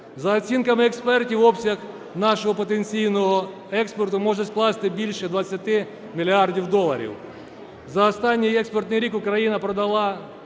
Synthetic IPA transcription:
zɐːt͡sʲinkɐmɪɛkspɛrtʲiwɔpsʲɐx | nɑʃɔɦɔpɔt̪enʲt͡sʲijnɔɦɔ | ɛkspɔrt̪ʊmɔʒɛsklˠɑst̪ɪbʲilʲʃɛd̪ʋɐt͡sʲːɐt̪ɪ | mʲilʲɪɑrdʲiwd̪ɔlˠːɐɾʲḭw | zɐɔst̪ɑnʲːijɛkspɔrt̪nɪjɾʲikʊkɾɐjinɐpɾɔd̪ɐlˠɑ

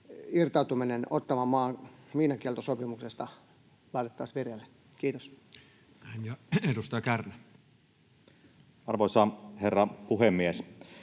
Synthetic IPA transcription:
irt̪ɑut̪uminenot̪ːɑmɑmɑːŋmiːnɑkielt̪osopimuksest̪ɑ | lɑˑit̪et̪ːɑːsʋirjelːe | kiːt̪os | ænjɑedust̪ɑjɑkærnæ | ɑrʋoˑisɑherːɑpuhemːies

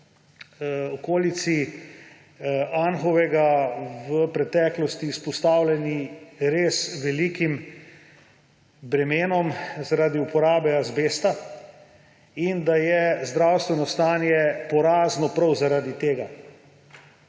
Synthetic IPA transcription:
ɔkoːlit̪si | anxɔʋɛɡaʋəpɾɛt̪ɛːklɔst̪ispɔst̪aːwlɛniɾeːsʋɛlikim | bɾɛmeːnɔmzaɾaːd̪iupɔɾaːbɛazbeːst̪a | ind̪ajɛzd̪ɾawst̪ʋɛnɔst̪aːnjɛpɔɾaːznɔpɾɐwzaɾaːd̪it̪eːɡa

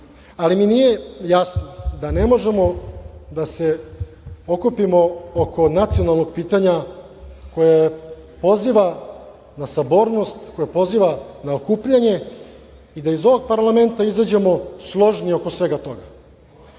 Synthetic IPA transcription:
aliminije̞jasnod̪ane̞mo̞ʒemod̪ase̞ | okupimo̞okʰo̞nat̪sijo̞nalˠno̞ɡ̚piːt̪aɲa | ko̞ja | po̞ziʋa | nasabo̞ɾno̞st̪ko̞japo̞ziʋanaokuːpʎaɲe̞ | id̪aizo̞ʋo̞ɡ̚paɾlˠame̞nt̪aizad͡ʑe̞mo̞slˠo̞ʐnio̞ko̞sʋe̞ɡat̪o̞ɡa

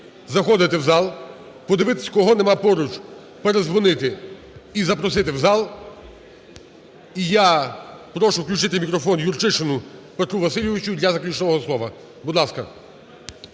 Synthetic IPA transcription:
zɐxɔd̪ɪt̪ɪwzɑlˠ | pɔd̪ɪʋɪt̪ɪ̥sʲkɔɦɔnɛmɑpɔɾut͡ʃ | peɾezʋɔnɪt̪ɪ | izɐpɾɔs̬ɪt̪ɪwzɑlˠ | ijapɾɔʃʊwklʲut͡ʃɪt̪ɪmʲikɾɔfɔnjurt͡ʃɪʃɪnʊpet̪ɾuʋɐsɪlʲjɪʋɪt͡ʃʊd̪lʲɐzɐklʲut͡ʃnɔɦɔslˠɔʋɐ | bud̪lˠɑskɐ̰

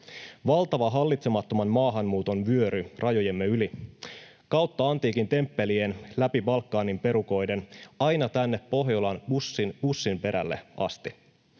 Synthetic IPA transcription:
ʋɑlt̪ɑʋɑɦɑlːit̪semɑt̪ːo̞mɑnmɑːɦɑnmuːt̪o̞nʋyøɾyrʔɑjo̞jemːeyli | kɑwt̪ːɑɑnt̪iːkint̪e̞mpːe̞lienlæpiʋɑlkːɑːnimpe̞ɾuko̞jde̞nɑjnɑt̪ænːe̞ppo̞ɦjolɑnbusːinb̥usːimpe̞ɾæ̰lːe̞̰ʔɑ̰st̪i

